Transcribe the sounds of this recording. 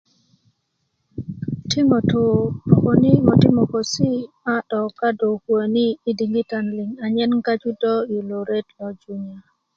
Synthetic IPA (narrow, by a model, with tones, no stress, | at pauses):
ti˦mo˨to˨po˨ko˨ni˦mɔ˨ti˦mo˨ko˨si˦ma˦ɗɔ˨ka˦do˨kwo˨ni˦i˦di˨ŋɡi˦ta˨nlɪ˨ŋa˨ɲɛ˦nka˦d͡ʒu˦dɔ˦i˨lo˨ɾe˦tɔ˨d͡ʒu˦ɲa˨